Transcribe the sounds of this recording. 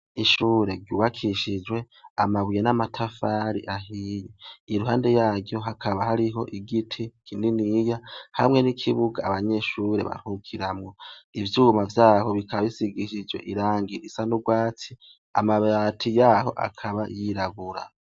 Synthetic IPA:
iʃuːɾe̞ɾɟuːβakʰiʃid͡ʒwe̞ | amaβujenamatʰafaːɾḭʔaɦijeiɾuɦaːnde̞jaːɡɟo̞ɦakʰaβaɦaɾiɦo̞ʔiɡitʰikʰininijahamŋe̞nikʰiβuɡaːβaɲe̞ʃuɾe̞̰βa̰hukʰiɾamŋo̞ivjuːmavjaːho̞βikʰaβaβisiɡiʃid͡ʒwe̞̰ʔiɾaːŋɡiɾisanuɡwaːt͡si | a̰maβatʰijaːɦo̞̰ʔa̰kʰaβajiɾaɡuɾa̰

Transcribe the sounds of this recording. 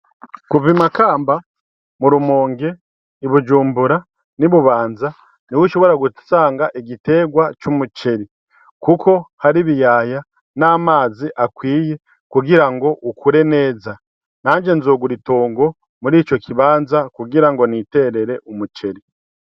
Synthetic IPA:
kuvimakaːmba | muɾumoːŋɡe̞ | iβud͡ʒuːmbuɾa | niβuβaːnza | niwuʃo̞βoɾaɡutu̥saːŋɡaʔeɟite̞ːɡwat͡ʃumut͡ʃe̞ɾi | kuko̞haɾiβijaːja | naːmaːziʔakwiːje̞ | kuɡiɾaŋɡo̞ʔukʰuɾe̞ne̞ːza | naːɲd͡ʒe̞nzoɡuɾitoːŋɡo̞ | muɾiːt͡ʃo̞kiβaːnzakuɡiɾaŋɡo̞nite̞ɾe̞ɾe̞ʔumut͡ʃe̞ɾi

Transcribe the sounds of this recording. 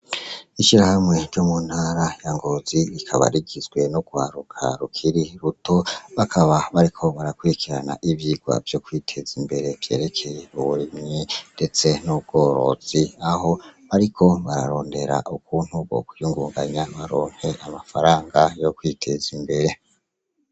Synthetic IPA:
iʃiɾahamŋe̞ɾɟomun̥haɾajaŋɡoziikʰaβa̰ɾiɡizɡwe̞nuɡ̥waːɾukʰa̰ɾukʰiɾiɾuto̞βakʰaβaβaɾikʰo̞βaɾakwuɾikiɾana̰ʔiβjiːɡwa̰vjo̞kwitʰe̞zimbe̞ɾe̞vje̞̰ːɾe̞kʰe̞jeβuβuɾimɲinde̞t͡se̞nub̚ɡo̞ːɾo̞̰z̥iaho̞βaɾikʰo̞βaɾa̰ɾo̞ːnde̞ɾa̰ʔukuːn̥huβo̞̰kujuŋɡuːŋɡaɲaβaɾo̞ːŋ̥he̞ʔamafaɾaːŋɡajo̞kwitʰe̞zimbe̞ɾe̞

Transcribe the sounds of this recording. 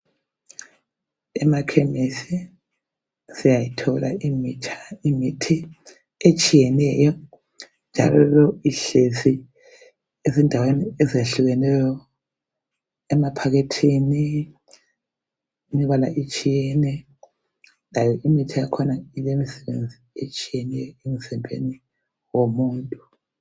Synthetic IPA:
ɛmakʰemisi | sijajitʰɔla̰imit͡ʃʰaimitʰi | et͡ʃʼijɛnɛjɔ | nd͡ʒʱa̰lɔlɔiɬesi | ezindʱaweniɛzeɬuɣɛnɛjɔ | ɛmapʰaɣetʰini | imiβala̰ʔit͡ʃʼijɛnɛ | lajɔʔimitʰijakʰɔnailemisɛβend͡zʱiet͡ʃʼijɛnɛjɔemizɛmbʱḛni | womuːntʼu

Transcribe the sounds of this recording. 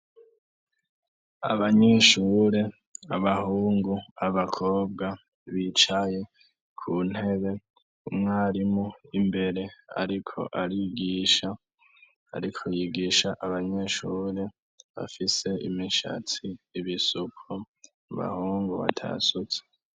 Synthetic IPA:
a̰βaɲe̞ʃuːɾe̞ | aβahuːŋɡuaβakʰoːb̚ɡa | βit͡ʃaje̞ | kʰuːn̥he̞βe̞ | umŋaːɾimoimbe̞ɾe̞a̰ɾikʰo̞̰ʔaɾiɡiːʃa̰ː | ɾikʰojiɡiːʃaʔaβaɲe̞ʃuːɾe̞ | βa̰fise̞ḭmiʃa̰tiːβisukʰo | βa̰huːŋɡuβa̰tʰa̰sut͡se̥

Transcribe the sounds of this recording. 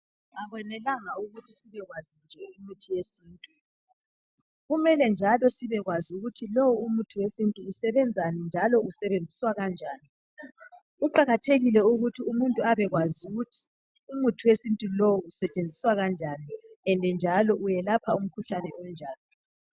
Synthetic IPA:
aβwɔnɛlaŋauɣutʰisiβɛɣwazind͡ʒʱɛimitʰijesiːntʼu | ɣumɛlɛnd͡ʒʱalɔsiβɛɣwazuɣutʰilɔwuumutʰiwesintʼuːsɛβɛnd͡zʱanind͡ʒʱalɔʔusɛβend͡zʱiswaɣand͡ʒʱaːni | uǃaɣatʰeɣilɛuɣutʰiumuntʼuaβɛɣwazuɣutʰi̥ | umutʰuwesintʼulɔwuusɛt͡ʃʼend͡zʱiswaɣand͡ʒʱaːniɛndʱɛnd͡ʒʱalɔʔujɛlapʰaum̩kʰuɬanɛɔnd͡ʒʱaːlɔ

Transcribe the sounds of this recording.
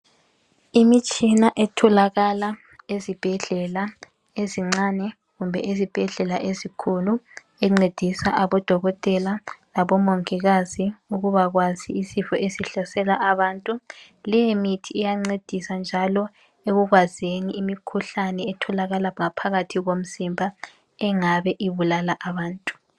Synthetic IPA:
imit͡ʃʼinaʔɛtʰɔlaɣala | ezib̥ʱɛɮɛla | eziŋ͡ǀanɛ | ɣumbʱɛ̰ʔezib̥ʱɛɮɛlaʔezikʰulu | ɛŋ͡ǀed̥ʱisa̰ʔaβɔd̥ʱɔɣɔtʼɛlalaβɔmɔŋkiɣaziuɣuβaɣwaziːsifɔʔesiɬasɛlaʔaβaːntʼu | lɛjemitʰiːjaŋ͡ǀed̥ʱisand͡ʒʱalɔ | eɣuɣwazeniimikʰuɬanɛːtʰɔlaɣalaŋapʰaɣatʰiɣom̩zimbʱa | ɛŋaβɛʔiβulalaʔaβaːntʼu̥

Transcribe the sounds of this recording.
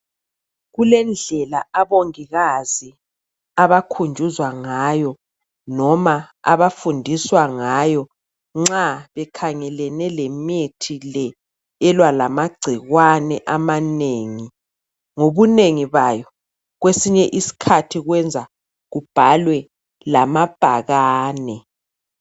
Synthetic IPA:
ɣulɛnd͡ɮʱɛlaaβoŋiɣazi | aβakʰund͡ʒʱuzwaŋajɔ | nɔmaa̰βafundʱiswaŋajɔ | ŋ͡ǁaβɛkʰaŋɛlɛnɛlɛmetʰilɛ | ɛlwalamaɡ͡ǀʱiɣwanɛʔamaneːŋi | ŋoβuneŋiβajɔ | ɣwesiɲɛʔisi̥kʰatʰiɣwɛnd͡zʱa | ɣub̥ʱalwɛ | lamab̥ʱaɣaːnɛ

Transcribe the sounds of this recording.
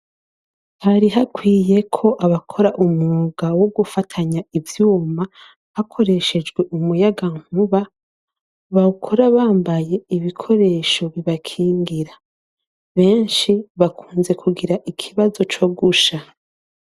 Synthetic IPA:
haɾiɦakwiːje̞kʰo̞ʔaβakʰo̞ɾaʔumuɡawoɡufatʰaɲaivjuːma | hakʰo̞ɾe̞ʃed͡ʒɡwe̞ʔumujaɡaŋ̥huβa | βaukʰoɾaβaːmbaje̞iβikʰo̞ɾe̞ʃo̞βiβakʰiːŋɡiɾa | βe̞ːnʃiβakʰuːnze̞kʰuɡiɾaʔikʰiβazo̞t͡ʃo̞ɡuʃa

